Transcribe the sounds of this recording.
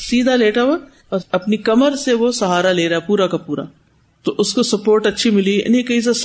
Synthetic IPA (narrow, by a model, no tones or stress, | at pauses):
siːd̪ʱaleːʈaʋo | ɐpnikɐməɾseʋosɐɦaːɾaleːɾɐepuːɾakapuːɾa̰ | t̪oʔʊskosɐpoːɾʈɐtːʃʰimɪlḭnikɐis̬es